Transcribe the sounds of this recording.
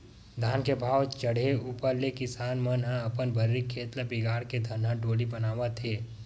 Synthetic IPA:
d̪ʱaːnkebʱaːʋt͡ʃəɽeuːpəɾlekɪsaːnmənɦãɐpənbʱəɾːikʰːeːt̪labɪɡaːɾked̪ʱənɦãʈoːlibənaːʋət̪ʰeː

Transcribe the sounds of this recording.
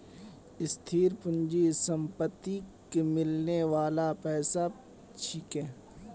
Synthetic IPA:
ɪst̪ʰiːɾpʊnd͡ʒisəmpət̪ːikemɪlneʋaːlapɛːsa | t͡ʃʰiːkɛ̃ː

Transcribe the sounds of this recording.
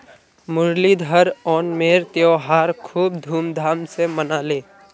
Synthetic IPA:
mʊɾlid̪ʱəɾɔːnmeːɾt̪joːɦaːɾkʰuːb̚d̪ʱuːmd̪ʱaːmsemənaːleː

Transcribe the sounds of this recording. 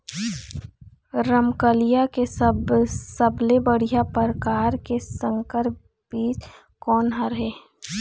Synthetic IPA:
ɾəmkəlijakesəbsəblebəɽ̤ijapəɾkaːɾkesə̃ŋkəɾ | biːt͡ʃ | kɔːnɦaɾɦeː

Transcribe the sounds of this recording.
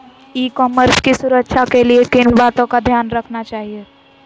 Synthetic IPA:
ikɔːməɾskisʊɾəkːʃʰakeliekɪnbaːt̪õkad̪ʱjaːnɾəkʰnat͡ʃaːɦie

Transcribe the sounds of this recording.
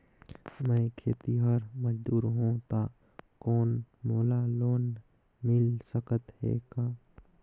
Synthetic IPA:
mɛ̃kʰeːt̪iɦaɾməd͡ʒd̪uːɾɦõt̪a | kɔːnmoːlaloːn | mɪlsəkət̪ɦḛːkaː

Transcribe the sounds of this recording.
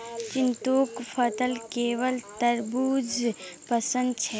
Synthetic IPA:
t͡ʃɪnt̪okpʰət̪əlkeːʋəlt̪əɾbuːd͡ʒ | pəsə̃nd̪̚t͡ʃʰɛ

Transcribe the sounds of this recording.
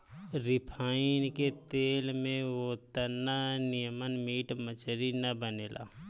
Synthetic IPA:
ɾɪpʰaːinket̪eːlmẽʋot̪ənːanɪjəmənmiːʈmət͡ʃʰəɾinɐbəneːlʔa̰ː

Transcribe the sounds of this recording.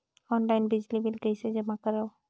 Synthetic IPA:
ɔnlajnbizlibilɡejsɛzɛmakaɹaw

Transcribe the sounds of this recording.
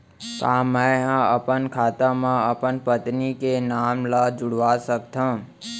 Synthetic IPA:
kãːmɛ̃ɦãəpənkʰaːt̪ãmãəpənpət̪nikenaːmlad͡ʒʊɽʋaːsəkt̪ʰã

